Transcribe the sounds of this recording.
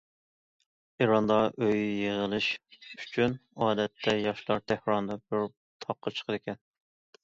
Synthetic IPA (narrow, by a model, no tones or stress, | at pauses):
iɾɑnd̪ɑʔøjjeʁəlˠɪʃy̥t͡ʃʰynɑːd̪ɛt̪ʰːɛjɑʃlˠɑɾt̪ʰæhɾɑnd̪ɑbɪɾ | t̪ʰɑqʰːɑt͡ʃʰqʰəlɪkʲɛn